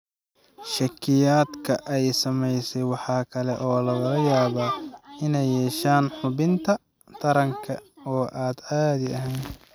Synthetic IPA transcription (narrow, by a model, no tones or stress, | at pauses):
ʃɐkʰːɪjaːd̪kʰɐʔɛjsɐmɛjsɛjwɑħɑːkʰɐlɛʔɔːlɐɣɐlɐjaːβaɪnɛjːɛːʃaːnħʊβɪnt̪ʰɐ | t̪ʰɐɾɐŋkʰɐɔːʔaːd̪aːd̪ɪɐɦɛn